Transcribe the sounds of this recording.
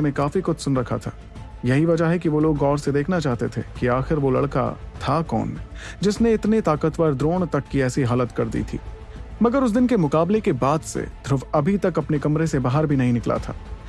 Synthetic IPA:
mẽkaːfixʊt͡ʃ̪ʰsʊnɾɐkʰa̰t̪ʰa̰ː | jɐɦiʋɐd͡ʒaɦɛkiʋoloːɡɔːɾsed̪eːkʰnat͡ʃaːɦt̪et̪ʰekiaːxɪɾʋolɐ̰ɽka̰t̪ʰakɔ̰ːnːẽd͡ʒɪsneɪt̪net̪aːkət̪ʋəɾd̪ɾoːɳ̃t̪ɐkːiɛːsiɦaːlət̪kɐɾd̪ḭːt̪ʰḭː | mɐɡəɾʊs̬d̪ɪnkemʊkaːblekebaːd̪sḛd̪ʱɾʊʋɐbʱit̪ɐkɐpnekɐmɾesebaːɦəɾbʱinɐɦĩnɪkla̰t̪ʰa̰ː

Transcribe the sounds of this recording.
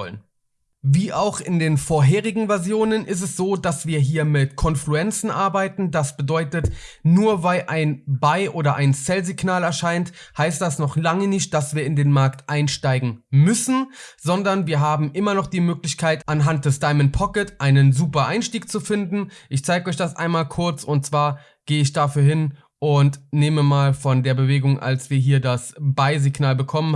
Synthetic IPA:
ɔlən | viːʔaʊxɪndeːnfoɐɦeːʁ̞ɪɡŋ̩vɛɐzjoːnənʔɪstɛsz̥oːdasv̥iːɐɦiːɐmɪtkʰɔnfluɛnt͡sn̩ʔaɐbaɪtn̩dasb̥ədɔʏtətnuːɐvaɪlʔaɪnbaɪʔoːdɐʔaɪnt͡sɛlzɪɡnaːlɛɐʃaɪnthaɪstd̥asnɔχlaŋənɪçt̚d̥asv̥iːɐɪndeːnmaɐktʔaɪnʃtaɪɡŋ̩mʏsn̩z̥ɔndɐnviːɐɦaːbm̩ʔɪmɐnɔχd̥iːmøːklɪçkʰaɪtʔanɦant̚d̥ɛsd̥aɪmənpʰɔkətʔaɪnənzuːpɐʔaɪnʃtiːk̚t͡sufɪndn̩ʔɪçt͡saɪɡəɔʏçd̥asʔa̰ɪnmaːlkʰʊɐt͡sʊnt̚t͡sv̥aːɐ | ɡ̥eːəɪçd̥afyːɐɦɪn | ʔʊntneːməmaːlfɔndeːɐbəveːɡʊŋʔa̰lsv̥iːɐɦiːɐdasb̥aɪziɡnaːlbəkʰɔmən

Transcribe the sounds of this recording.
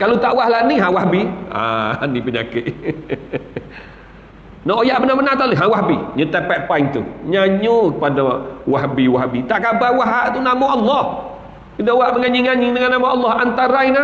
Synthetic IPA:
kalot̪aʔwahlaʔniɦãwaɦbia̰anipəɲa̰kɪʔ | nɔʔojaʔbənabənaht̪aliɦãwahbiɲut̪epɛʔ̪̚paiŋt̪ṵɲaɲukəpadawaɦbiwaɦbit̪aʔkabahwaɦaʔt̪unamoʔɑlːɔh | kədaʔwaʔməŋaɲiɲaɲidəŋanːamaɑlːɔhant̪aɾajna

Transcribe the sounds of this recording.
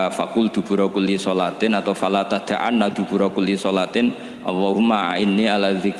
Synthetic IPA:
fakʊld̪̥ṳb̥ṳɾɔkulisɔlat̪ɪnat̪awfalat̪ad̪̥aʔa̰nːad̪̥ṳb̥ṳɾɔkulisɔlat̪ɪn | ʔɑ̰lːɔɦʊmaa̰inːialaðɪk

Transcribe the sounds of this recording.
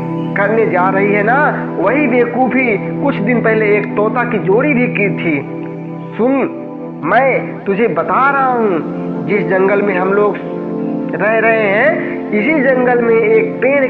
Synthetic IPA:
kɐɾned͡ʒaːɾɐɦiɦɛnaʋəɦibeːkubʱikʊt͡ʃʰd̪ɪnpɛɦleːkt̪ɔːt̪akid͡ʒoːɾibʱikiːt̪ʰiː | sʊn | mɛ̃ː | t̪ʊd͡ʒʱebət̪aɾɐɦaɦũd͡ʒɪsd͡ʒə̃ŋɡəlmẽɦɐmloːɡ | ɾɛɦɾɐɦeɦɛ̃ | ɪsid͡ʒə̃ŋɡəlmẽeːk̚peːn

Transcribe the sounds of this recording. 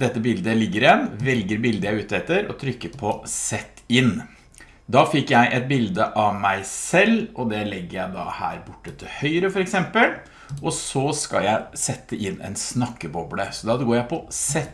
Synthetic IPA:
d̪ɛt̪ːəbɪld̪əlɪɡːəɾɪɛnʋɛlɡəɾbɪld̪əjæɪʉːt̪ɛt̪ːəɾɔ̰t̪ʰɾʏkːəɾpʰɔsɛt̪ːɪn | d̪ɑːfɪkːjæɪʔɛt̪̚bɪld̪əʔɑʋmæɪsɛlːɔd̪ɛlɛɡːəɾjæɪd̪ɑ̰hæ̰ːɾbʊʈːət̪ʰɪlhœʏɾəfɔɾɛksɛmpəl | ʔɔsɔskɑ̰ljæɪsɛt̪ːəʔɪnːɛ̰ɪnsnɑkːəbɔbləsɔd̪ɑd̪ɡoːɾjæɪpʰɔsɛt̪ː

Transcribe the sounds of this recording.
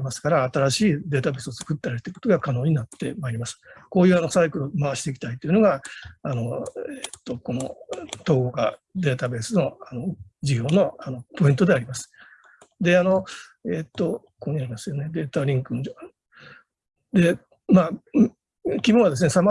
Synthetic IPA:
masɨ̥kaɾaːt̪aɾaɕiːd̪e̞ːt̪abe̞sɨot͡sɨ̥kɯt̪ːeaɾɯt̪eɯkot̪oɡakano̞ːɲ̟inat̪ːe̞maeɾʲimasɨ̥ko̞ːjɯano̞saikɯ̟ɾɯmaβaɕi̥t̪ekʲi̥t̪ait̪ːoiɯ̟no̞ɡaano̞et̪ːoko̞no̞t̪o̞ːɡoɡa̰ | d̪e̞ːt̪abe̞ːsɨno̞ano̞d͡ʑiɡʲo̞ːno̞ano̞po̞ĩnt̪o̞d̪e̞aɾʲimasɨ̥ | d̪e̞ano̞et̪ːo̞ | koːɲ̟iaɾʲimasɨjo̞ne̞d̪e̞ːt̪aɾʲĩŋkɯno | d̪e̞ | maː | kʲimoβad̪e̞s̬ɨnesama

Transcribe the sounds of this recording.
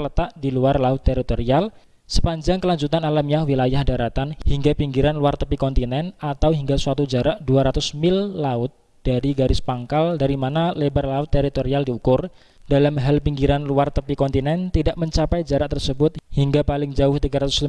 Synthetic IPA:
lət̪aʔdiluarlaʊt̪ːeɾit̪oɾial | sə̥paɲd͡ʒaŋkəlaɲd͡ʒut̪analamjahwilajahdaɾat̪anhiŋɡapiŋɡiɾanluart̪əpikɔnt̪inɛnat̪awɦiŋɡasuat̪ud͡ʒaɾaʔduaɾat̪ʊsmɪlːaʊt̪̚ | d̥aɾiɡaɾɪspaŋkaldaɾimanalebərlaʊt̪ːeɾit̪oɾialdiukʊr | d̥alamɦalpiŋɡiɾanluart̪əpikɔnt̪inɛnt̪idaʔməɲt͡ʃapajd͡ʒaɾaʔ̚t̪ərsəbʊt̪̚hiŋɡapalɪŋd͡ʒaʊht̪iɡaɾat̪ʊ̥s

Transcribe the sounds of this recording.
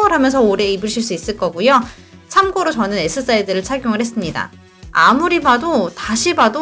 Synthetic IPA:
ŋɯɾɦamjʌns̬ʰʌoɾe̞ibɯɭɕʰiɭs̬͈uis͈ɯɭk͈ʌɡujo | t͡ɕʰamɡoɾot͡ɕʌnɯne̞sʰɯs͈aidɯɾɯɭt͡ɕʰaɡjoŋɯɭhe̞s͈ɯmɲida̰ | amuɾibadotaɕʰibado

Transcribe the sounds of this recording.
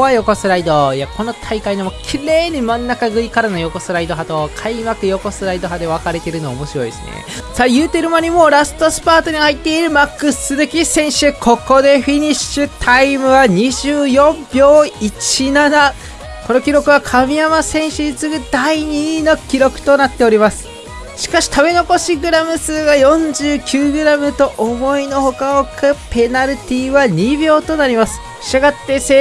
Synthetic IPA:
ajo̞ko̞sɨɾaid̪o̞jako̞no̞t̪ʰaikainomokʲʰiɾe̞ːɲ̟imãnːakaɡɯ̟ikaɾano̞jo̞ko̞sɨɾaid̪o̞ɦat̪oːkʰaimakɯ̟jo̞ko̞sɨɾaid̪o̞ɦad̪e̞βakaɾe̞t̪e̞ɾɯ̟no̞a̰omo̞ɕiɾo̞ḭesɨnḛ | sajɯ̟ːt̪e̞ɾɯ̟maɲ̟imo̞ːɾasɨ̥t̪o̞sɨ̥paːt̪o̞ɲ̟ihait̪ːe̞iɾɯ̟makːɯ̟sɨzɨkʲisẽ̞ɰ̃ɕɨkʰo̞ko̞d̪e̞ɸiɲ̟iɕɨt̪ʰaimɯ̟βaɲ̟iʑɨːjõ̞mbʲjo̞ːit͡ɕinana | ko̞no̞kʲiɾo̞kɯ̟βakʰamʲijamasẽ̞ɰ̃ɕɨɲit͡sɨɡɯ̟d̪aiɲ̟ino̞kʲiɾo̞kɯ̟̥t̪o̞nat̪ːe̞o̞ɾʲimasɨ̥ | ɕi̥kaɕi̥t̪abe̞no̞ko̞ɕiɡɯ̟ɾamɯ̟sɨːɡajõ̞ɲ̟d͡ʑɨːkʲɨːɡɯ̟ɾamɯ̟t̪o̞ʔomo̞ino̞ho̞kaokɯpe̞naɾɯt̪ʲiβaɲ̟ibʲo̞ːt̪o̞naɾʲimasɨ̥ | aɡat̪ːe̞se

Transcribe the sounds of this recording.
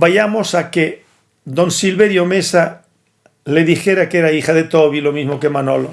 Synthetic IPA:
baʝamosake | d̪onsilβeɾjomesa | leðixeɾakeɾaixaðet̪oβilomizmokemanolo

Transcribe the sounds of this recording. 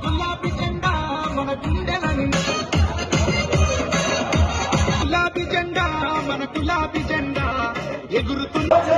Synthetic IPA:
kulaːbid͡ʒɛɳɖamɐnɐɡiɳɖɛlɐnin | kulaːbid͡ʒɛɳɖaːmɐnɐkulaːbid͡ʒɛɳɖaːeɡuɾut̪un

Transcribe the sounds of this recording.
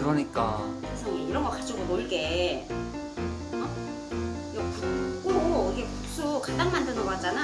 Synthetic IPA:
kɯɾʌɲik͈akɯɾesʰʌiɾʌŋɡʌk͈ad͡ʑ͈ʰiɡomoɭɡe̞ | ʌ | iɡʌkuk͈oiɡe̞tu̥s͈ʰokad͈aŋmandɯnowad͡ʑ͈ana

